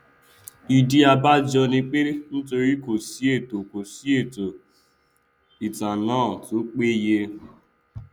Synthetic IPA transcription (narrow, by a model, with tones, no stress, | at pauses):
i˨di˦a˧ba˦d͡ʒɔ˧nĩ˧k͡pe˦n̩˦to˧ɾi˦ko˨si˨˦e˦˨to˨ko˨si˨˦e˦˨to˨ | i˨tã˨nãː˦˨to˨˦k͡pe˦je˧